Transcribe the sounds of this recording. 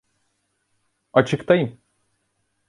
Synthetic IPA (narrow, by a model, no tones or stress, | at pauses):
at͡ʃʰɯkt̪ʰajɯm